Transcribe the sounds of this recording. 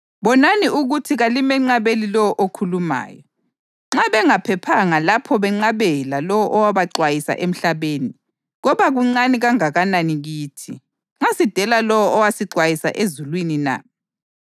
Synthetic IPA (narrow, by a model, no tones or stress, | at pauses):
βɔnaniuɣutʰiɣalimɛŋ͡ǀaβelilɔwɔʔokʰuluma̰ːjɔ | ŋ͡ǁaβɛŋapʰɛpʰaŋalapʰɔβɛŋ͡ǀaβɛlalɔwɔʔɔwaβaǀwajisa̰ʔem̩ɬaβeːni | ɣɔβaɣuŋ͡ǀaniɣaŋaɣananiɣiːtʰi | ŋ͡ǁasid̥ʱɛlalɔwɔʔɔwasiǀwajisa̰ʔezulwinina̰